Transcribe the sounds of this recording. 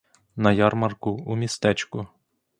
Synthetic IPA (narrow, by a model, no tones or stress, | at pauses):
nɐjɑrmɐrkʊumʲist̪ɛt͡ʃkʊ